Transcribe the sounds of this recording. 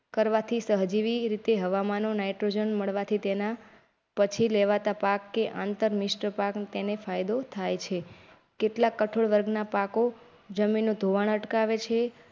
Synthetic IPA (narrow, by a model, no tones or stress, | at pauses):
kəɾʋat̪ʰisəɦd͡ʒiʋiɾit̪eɦəʋamanonajʈɾod͡ʒənməɭʋat̪ʰit̪ena | pət͡ʃʰileʋat̪apakːeʔãnt̪əɾmɪʃʈɾəpakt̪enefajd̪ot̪ʰajt͡ʃʰe | keʈlakːəʈʰoɭʋəɾɡʱnapako | d͡ʒəminːũd̪ʱoʋaɳ̃əʈkaʋet͡ʃʰe